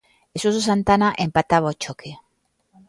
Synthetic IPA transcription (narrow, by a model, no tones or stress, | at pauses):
esusus̬ant̪anaʔempat̪aβot͡ʃokʰe